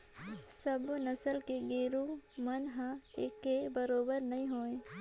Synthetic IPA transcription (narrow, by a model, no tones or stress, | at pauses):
səbnəsəlkeɡeːɾumənɦãekːebəɾoːbəɾnɐɦĩɦoːẽ